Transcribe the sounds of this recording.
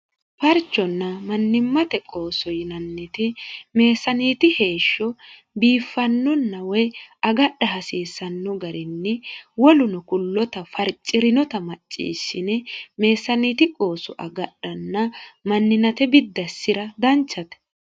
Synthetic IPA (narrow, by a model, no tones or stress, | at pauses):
fɐɾt͡ʃːɔnːɐmɐnːɪmːɐt̪ɛkʼo̞ːsɔjɪnɐnːɛt̪ɪme̞ːsɐniːt̪ɪhe̞ːʃːɔ | biːfːɐnːɔnːɐwɛjɐɡɐɗːɐɦɐsiːsːɐnːɔɡɐɾɪnːɛwɔlʊnɔkʊlːɔt̪ɐfɐɾt͡ʃʼːɪɾɪnɔt̪ɐmɐt͡ʃʼːḭːʃːɪnɛme̞ːsːɐniːt̪ɪkʼo̞ːsɔʔɐɡɐɗːɐnːɐmɐnːɪnɐt̪ɛbɪd̪ːɐsːɪɾɐd̪ɐnt͡ʃːɐt̪ɛ̥